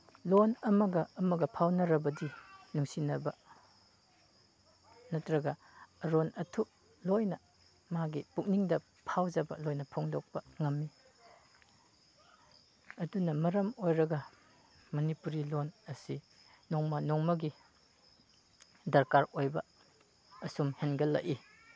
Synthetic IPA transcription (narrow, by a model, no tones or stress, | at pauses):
lonɐmɐɡɐːmɐɡɐpʰawnɐɾɐbɐdinuŋsinɐbɐ | nɐtʰɾɐɡɐ | ɾonɐtʰuk̚ | lojnɐ | maɡipuk̚niŋdɐ | pʰawzɐbɐ̰lojnɐpʰoŋdok̚pɐŋɐmːi | ɐdunɐmɐɾɐmojɾɐɡɐ | mɐnipuɾilonɐsi | noŋmɐnɔŋmɐɡi | dɐɾkaɾojbɐ | ɐsumhenɡɐlɐ̰ʔi